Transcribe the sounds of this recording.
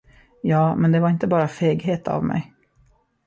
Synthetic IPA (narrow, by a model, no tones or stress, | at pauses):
jɑːmɛnd̪ɛvaɾɪnt̪əbɑːɾafeːɡɦeːt̪ʰa̰vmɛ̰j